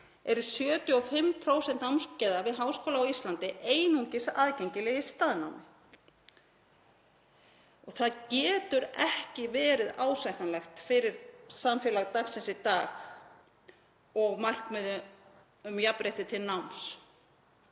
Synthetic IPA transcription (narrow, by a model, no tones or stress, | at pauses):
ɛɾʏsjœːt̪jʏɔfɪmpʰɾowsɛnt̪nawmscɛðavɪðɦawskoːlaawist̪lant̪ɪʔeːjnuɲcɪsaːðcɛɲcɪlɛjɪst̪aːðnawnɪ | ɔɣθaðcɛːt̪ʏɾɛhcɪvɛːɾɪðaːwsajht̪anlɛxt̪fɪɾɪɾsamfjɛlaɣt̪aɣsɛnsɪt̪aːx | ɔɣmar̥kmɛðʏ | ʏmjapɾejht̪ɪt̪ʰɪlnawns